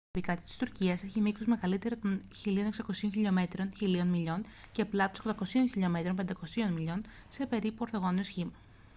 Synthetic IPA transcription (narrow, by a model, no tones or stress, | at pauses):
opikɐt̪i̥t̪i̥st̪uɾciɐse̞çimiksozme̞ɣɐlit̪e̞ɾot̪o̞nçilio̞ne̞ksɐko̞sioçiʎo̞me̞t̪ɾonçilio̞nmiʎo̞n | ce̞plɐt̪osk̪d̪ɐko̞sio̞nçiʎo̞me̞t̪ɾo̞mpend̪ɐko̞sio̞nmiʎo̞n | se̞pe̞ɾipuo̞ɾθo̞ɣo̞niosçimɐ